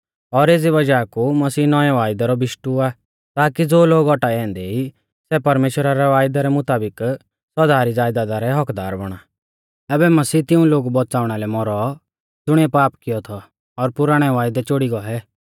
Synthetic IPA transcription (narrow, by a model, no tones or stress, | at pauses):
ɔɾeːd͡ziβɐd͡ʒakumɐsiːnɔjaʋaːjd̪ɛɾɔbɪʃʈua | t̪aːkid͡zoːloːɡɔʈaɛ̃ːnd̪ɛi | sɛpɐɾmeːʃwəɾaɾɛʋaːjd̪aɾɛmʊt̪aːbɪk | sɐd̪aːɾid͡zaːjd̪ad̪aɾɛɦɔkd̪aːɾbɐɽ̃a | ɛːbɛmɐsiːt̪ɪũloːɡbɔt͡saːʊɽ̃alɛmɔɾɔ | tʊɽ̃iɛpaːpkɪjɔt̪ʰɔ | ɔɾpʊɾaːɽ̃ɛʋaːjd̪ɛt͡ʃoɽiɡɔɦɛ